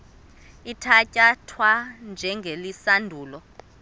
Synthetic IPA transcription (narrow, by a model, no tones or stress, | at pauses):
itʰacʼatʰwand͡ʒʱɛŋɡʱelisandʱuːlɔ